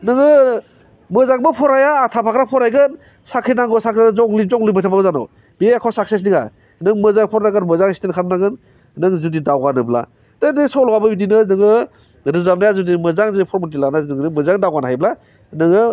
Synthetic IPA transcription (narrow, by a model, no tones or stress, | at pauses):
nɯŋɯ | mɯzaŋbɯpʰɔɾajaːtʰapʰakɾapʰɔɾajɡɯn | sakʰinaŋɡɔsakʰaɯzɔŋlizɔŋlibɯtʰabaɡɯzanɔ̰ | biejakʰasak̚ses̬niŋa̰ | nɯŋmɯzaŋpʰɔɾnaɡɯnmɯzaŋistenkʰaɾanaɡɯn | nɯŋzudidawɡanɯbla̰ | dɯdɯsɔlɔwabɯidinɯnɯŋɯ | ɾɯzamnajazudimɯzaŋzɯipʰɔɾmut̬ilanaɯŋnɯmɯzaŋdawɡanhajbla | nɯŋɯ